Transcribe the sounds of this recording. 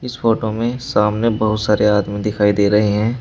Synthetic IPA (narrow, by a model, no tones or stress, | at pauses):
ɪsfoːʈomẽsaːmnebɐɦʊt̪saːɾeaːd̪mĩd̪ɪkʰaːid̪eːɾɐɦeɦɛ̃ː